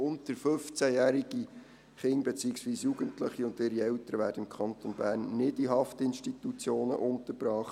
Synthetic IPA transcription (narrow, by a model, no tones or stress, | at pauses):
ʊntəɾfɵft͡sæjæːɾiɡ̥i | χɪŋbet͡siːəksʋiːsjuɡ̥əntləχiʊndɪɾiɛwtəɾəʋæːɾdəɪmkʰɑntonbæːrnːɪdiɦɑftəɪnʃtitut͡sjoːnə̰ʔʊntəɾb̥ɾɑːχ